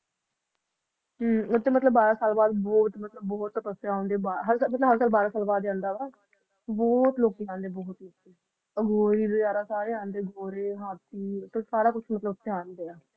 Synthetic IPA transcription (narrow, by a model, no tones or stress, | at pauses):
ɦmʊt̪ːeːmət̪ləbːaːɾãːsaːlbaːd̪bɔːt̪mət̪ləbːɔːt̪ːəpəsjaːɦõːnd̪eːbaːɦəɾsamət̪ləbɦəɾsaːlbaːɾãːsaːlbaːd̪ãːnd̪aːbaːd̪ | bɔːt̪loːkiːãːnd̪eːbɔːt̪loːkeː | əɡoːɾiːd̪od͡ʒaːɾaːsaːɾeːãːnd̪eːɡoːɾeːɦaːt̪iːt̪əsaːɾaːkʊt͡ʃʰmət̪ləbt̪ːeaːnd̪eːaː